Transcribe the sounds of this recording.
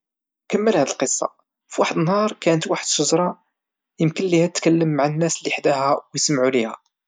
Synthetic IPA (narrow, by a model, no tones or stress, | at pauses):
kəmːəlhæd̪əlqəsˤːɑ̰ | fiwaħəd̪ənhɑɾˤkænət̪waħəd̪ʃəzɾˤɑ | jəmkənlihæəkəlːəmːaʕənːæslːiħd̪æhæwjsəmʕulihæ̰